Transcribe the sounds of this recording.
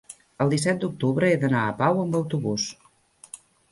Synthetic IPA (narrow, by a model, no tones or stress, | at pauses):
əlˠd̪isɛt̪̚d̪uk̚t̪uβɾəeðənaəpawəmbəwt̪uβus